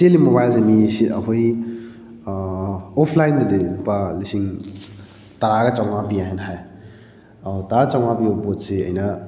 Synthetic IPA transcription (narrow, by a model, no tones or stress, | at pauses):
selimobajlzɐmisiʔɐɦoj | ɔpʰlajndɐdilupalisiŋ | tɐɾaɡɐt͡ʃawmapiaɦenɦaj | awtat͡ʃaw̃mapiopot̚seɐ̰jnɐ